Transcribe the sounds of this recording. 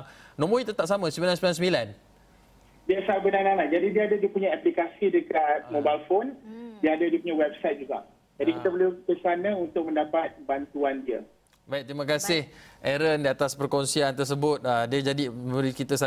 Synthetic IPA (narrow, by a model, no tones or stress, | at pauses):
nõmõit̪ət̪aʔ̚samə̃smbilansəmilansəmilan | diəsalbənanalahd͡ʒadidiəadadiəpuɲaaplikasidəkat̪̚mobajlfondiəadadiəpuɲawɛb̚sajt̪̚d͡ʒuɡa̰ | d͡ʒadikit̪əbəlukəsanəunt̪ʊk̚mə̃ndapat̪̚bant̪uandiə | baik̚t̪ɾimãkasɪhʔɛɾəndiat̪aspəɾkonsiant̪ərs̬əbʊt̪̚ədiəd͡ʒadiəɾikit̪əsa